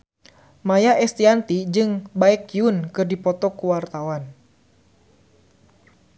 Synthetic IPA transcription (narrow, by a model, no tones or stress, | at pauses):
majaʔɛst̪iant̪id͡ʒɨŋbaɛkjunkɨrdipɔt̪ɔkuwart̪awan